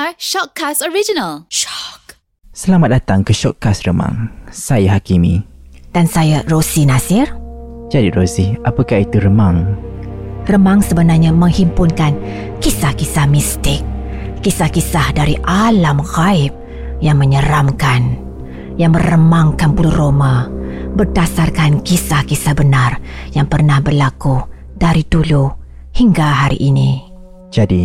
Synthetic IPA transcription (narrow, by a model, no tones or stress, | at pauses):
aʃɔt̚kʰasɔɹid͡ʒinəlʃɔk | səlamat̪̚dat̪aŋkəʃɔʔ̚kasrəma̰ŋsajaɦakimĩd̥ansajarosinasɪrd͡ʒadirosiʔapəkahit̪uɾəmaŋ | rəmaŋsəbənarɲamə̃ŋhimpʊnkankisahkisahmist̪ɪk̚ː | isahkisahdaɾiʔalamxaɪp̚ | jaŋməɲəɾamkan | jaŋmərrəmaŋkanpuluromabərdasarkankisahkisahbənarjaŋpərnahbərlaku | d̥aɾit̪ulu | hiŋɡaɦaɾḭʔini | d͡ʒadi